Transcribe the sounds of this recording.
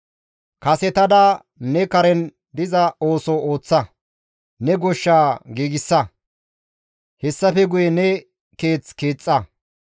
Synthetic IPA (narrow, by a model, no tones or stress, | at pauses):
kɐsɛt̪ɐd̪ɐ | nɛkɐɾɛn | d̪ɪzɐoːsooːt͡sːɐ | nɛɡɔʃːaːɡiːɡɪsːɐ | hɛsːɐfɛɡʊjɛnɛ | ke̞ːt͡skeːt͡sʼːɐ